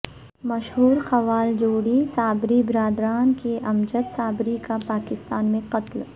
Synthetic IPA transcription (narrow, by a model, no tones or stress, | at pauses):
mɐʃɦuːɾxɐʋaːld͡ʒoːɽisaːbɾibɪɾaːd̪ɾaːnkeʔɐmd͡ʒət̪saːbɾikapaːkɪst̪aːnmẽqɐt̪l